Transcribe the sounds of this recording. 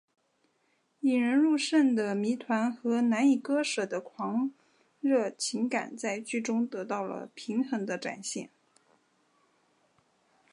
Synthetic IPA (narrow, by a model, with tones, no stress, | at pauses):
i˨˩ɻə˧˥nɻu˥˧ʂə˥˩nd̪ə˩mi˧˥t̪ʰwa˧˥nxɤ˧˥na˧˥ni˨˩kɤ˥ʂɤ˨˩d̪ə˦kʰwɑ˧˥ŋ | ɻɤ˥˩t͡ɕʰi˧˥ŋka̰˨˩nt͡sa˥˧ɪt͡ɕy˥˩ʈ͡ʂʊ˥ŋt̪ɤ˧˥t̪ɑ˥˩ʊlə̰˩pʰi˧˥ŋxɤ˧˥ŋd̪ə˧ʈ͡ʂa̰˨˩nɕjɛ̰˥˩n